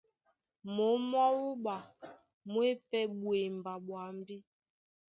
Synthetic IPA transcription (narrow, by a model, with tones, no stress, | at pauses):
mo˨˦m˦ɔ˦wu˦ɓa˨ | mwe˦pɛ˦ɓwe˨mba˨ɓwa˨m˦bi˦